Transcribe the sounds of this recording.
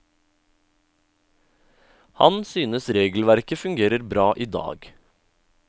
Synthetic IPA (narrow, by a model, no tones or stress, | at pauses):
hɑ̰nsyːnəsɾeːɡl̩ʋæɾkəfʉŋɡeːɾəɾbɾɑːʔiːd̪ɑ̰ːɡ